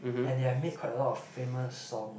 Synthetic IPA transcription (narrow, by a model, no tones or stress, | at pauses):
ɛ̃ndamet̚kʰatəlɔtɔffeməsːɔ̃ŋ